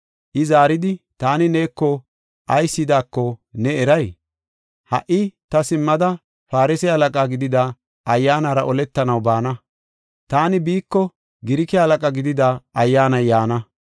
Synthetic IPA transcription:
ʔɪzaːɾɪd̪ɪt̪aːnɪne̞ːkːɔ | ʔɐjsːɪd̪aːkːɔnɛɛɾɐj | hɐ̰ʔɪt̪ɐsɪmːɐd̪ɐ | faːɾɪsɛhɐlɐkʼaːɡɪd̪ɪd̪a | ɐjːaːnaːɾɐʔɔlɛt̪ːɐnɐwbaːnɐ | t̪aːnɪbiːkːɔ | ɡɪɾɪkɛhɐlɐkʼaɡɪd̪ɪd̪aɐjːaːnɐjːaːnɐ

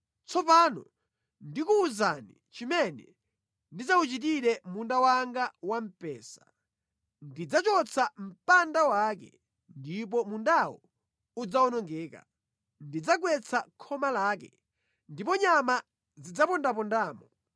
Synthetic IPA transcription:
t͡sʰɔpanɔ̰ | ndikuːzanḭ | t͡ʃimɛnɛ | ndizaut͡ʃit̬iɾɛmundawaŋɡawam̩pɛːsḁ | ndid͡zat͡ʃɔt͡sʰam̩pandawakɛ̰ | ndip̬ɔmundawɔ | ud͡zaɔnɔŋɡɛːka̰ | ndid͡zaɡwɛt͡sʰakʰɔmalaːk̬ɛ | ndipɔɲama | zid͡zapɔndap̬ɔndaːmɔ

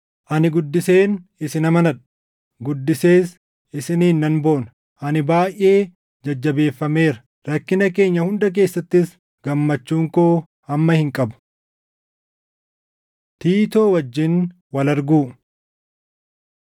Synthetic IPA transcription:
ʔɐnɪɡʊd̪ːɪseːnɪsɪnɐmɐnɐᶑ | ɡʊd̪ːɪse̞ːs | ɪsɪnɪnːɐnbo̞ːnɐ | ʔɐnɪbaːjʔʔe̞ː | d͡ʒɐd͡ʒːɐbe̞ːfːɐme̞ːɾɐ | ɾɐkːɪnɐke̞ːɲːɐhʊnd̪ɐk̬e̞ːsːɐt̪ːɪs | ɡ̥ɐmːɐt͡ʃːuːŋkoː | ɐmːɐhɪŋkʼɐbʊ̥ | t̪iːt̪o̞ːwɐd͡ʒːɪn | wɐlɐɾɡuː

